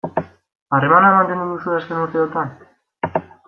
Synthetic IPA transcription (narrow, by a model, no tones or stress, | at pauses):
are̞manaemant̪e̞nd̪uðusuaske̞nuɾt̪e̞ot̪an